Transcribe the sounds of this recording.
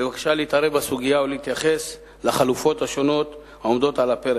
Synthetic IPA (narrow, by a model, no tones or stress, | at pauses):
levakʃaleit̪aɾebasuɡijauleit̪jaχe̞s | laχalufo̞thaʃo̞no̞t̪ | haomd̪o̞talapeɾe